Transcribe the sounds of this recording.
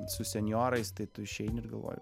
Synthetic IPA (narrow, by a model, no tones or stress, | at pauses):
sʊsʲɛnʲjoːɾɐɪst̪ɐɪt̪ʊɪʃʲɛɪnʲɪɾɡɐlˠʋo̰ːjʊ̰